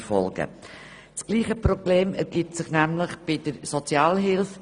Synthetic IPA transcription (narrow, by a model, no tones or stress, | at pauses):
fɔ̰lɡ̥ə̰ | sɡ̥liːχəprɔb̥leːmɛɾɡ̥itsɪχnæmlɪχb̥ɪdəɾsot͡sjɑːlɦɪlf